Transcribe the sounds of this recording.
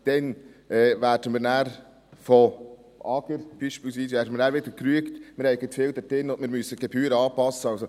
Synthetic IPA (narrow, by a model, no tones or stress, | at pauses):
d̪̥ɛnɛːvæːɾdəmɪːnæːɾ | fɔ | ɑɡəɾb̥iːʃpɪːlˠsʋiːs̬ʋæːɾdəmɪːnæːɾvɪd̪əɾkɾyəktmɪɾhɛɪɡət̪fɪːld̪ɛtɪnʊndmɪːɾmysːəɡ̥ɛbyːɾəɑːpɑsːəɑlso